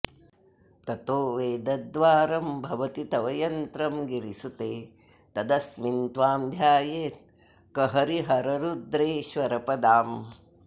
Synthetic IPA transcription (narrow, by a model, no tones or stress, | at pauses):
t̪ɐt̪oːʋeːd̪ɐd̪ʋaːɾɐmbʱɐʋɐt̪it̪ɐʋɐjɐnt̪ɾɐmɡiɾisut̪eː | t̪ɐd̪ɐsmint̪ʋaːmd̪ʱjaːjeːt̪̚ | kɐɦɐɾiɦɐɾɐɾud̪ɾeːʃʋɐɾɐpɐd̪aːm